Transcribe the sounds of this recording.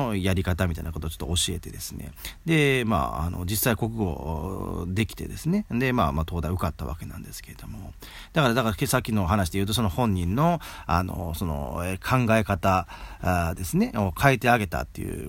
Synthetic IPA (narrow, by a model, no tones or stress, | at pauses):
ojaɾʲikat̪amʲit̪ainakot̪oːt͡ɕo̥t̪ːoːɕie̞t̪e̞d̪e̞sɨne̞̰d̪e̞ma̰a̰no̞̰d͡ʑisːaiko̞kɯ̟ɡo̞̰ | d̪e̞kʲi̥t̪e̞̰d̪e̞sɨne̞d̪e̞maːmat̪o̞ːd̪aiɯ̟kat̪ːaβa̰ke̞nã̰nd̪e̞sɨ̥ke̞e̞d̪̥o̞mo̞ | d̪̥akaɾad̪akaasakʲːino̞ɦanaɕ̬id̪ejɯ̟ːt̪o̞s̬o̞no̞hõ̞ɲ̟ːĩnːo̞ano̞̰so̞no̞̰ekʰãŋɡae̞kat̪a | d̪e̞sɨne̞o̞kʰaet̪e̞aɡe̞t̪a̰t̪ːḛjɯ̟̰ː